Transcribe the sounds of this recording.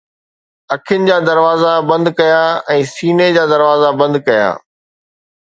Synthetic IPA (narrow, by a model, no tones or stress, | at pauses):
ɐkʰjʊnɪ̆d͡ʑaːd̪ɐɾʋaːzabɐ̃nd̪kɐjaɛ̃ːsiːned͡ʑaːd̪ɐɾʋaːzabɐ̃nd̪kɐja̰ː